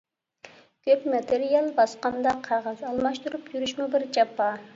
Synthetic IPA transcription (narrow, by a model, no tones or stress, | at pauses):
kʲʰøpmɑt̪ʰeɾijɑlˠbɑsqɑnd̪ɑqʰɑʁɑzɑlˠmɑʃt̪uɾupjyɾyʃmubɪɾd͡ʒɑpːɑ